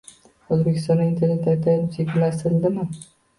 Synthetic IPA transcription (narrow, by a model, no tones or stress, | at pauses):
ɵzbekʲʰɪst̪ɒnaint̪ʰe̞ɾne̞t̪at̪ʰːaɪseɡʲɪlasɪld̪ɪmɪ